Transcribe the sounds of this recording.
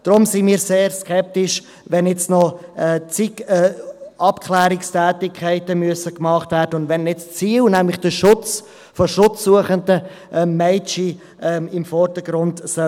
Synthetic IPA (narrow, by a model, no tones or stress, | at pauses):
d̥ɾʊmsinmiːɾseːɾskʰɛp̚tɪʃ | ʋɛnjɛt͡snɔɛt͡sikɛɑpkʰlɛːɾɪkstʰɛːtɪkʰːɛɪtəmyəsəkmɑχtvæːɾdəʊndʋɛnɛt͡st͡siːlnæmlɪχd̥əʃʊt͡s | fɔʃʊt͡sːuəχəndə | ʔmɛɪt͡ʃi | ʔɛmɪmfɔrd̥əɡɾʊndsɛ